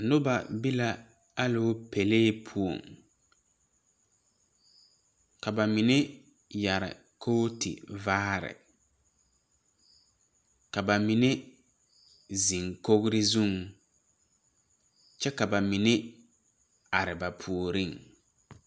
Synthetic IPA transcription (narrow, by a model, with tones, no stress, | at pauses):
nʊ˦ba˨bi˦la˦ | a˦lo˦pe˨leː˦pʰu˦o̰˨ŋ | ka˨ba˨mi˨ne˦ | ja˨ɾɪ̰˨ | kʰo˦tʰḭ˨vaː˦ɾɪ̰˨ | ka˨ba˨mi˨ne˦ | zi˨ŋko˦ɣɾɪ˦zu˦˨ŋ | t͡ʃɛ˦ka˨ba˨mi˨nɪ˦ | a˨ɾɪ˨ba˨pʰu˨o˨ɾi˦˨ŋ